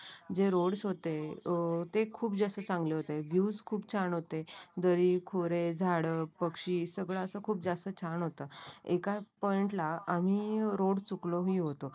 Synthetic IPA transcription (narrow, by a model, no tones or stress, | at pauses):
d͡ʑeɾoɽsɦot̪e | t̪ekʰuːp̚d͡zasət͡sãŋɡleɦot̪eʋjud͡zkʰuːb̚t͡ɕʰaɳɦot̪ed̪əɾiːkʰoɾed͡zʱaɽəpəkʂiːsəɡɭaəsəkʰuːp̚d͡zast̪ət͡ɕʰaɳɦot̪aekapɔiɳʈlaam̤iːɾoɽt͡sukloɦĩːɦot̪o